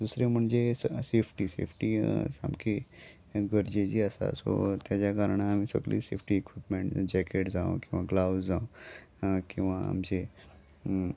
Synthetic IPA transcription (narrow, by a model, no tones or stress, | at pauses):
d̪usɾem̤əɳd͡zesepʰʈisḛpʰʈisa̰mkʰe | ɡəɾd͡ʑed͡ʑiəsa̰so̰t̪jad͡ʑjakaɾəɳ̃amisə̰ɡlḭːsepʰʈiekʋipmeɳʈd͡ʑɛkeʈd͡zaũkĩw̃ʋaɡlawzãõ | kĩw̃ʋaa̰md͡ʑe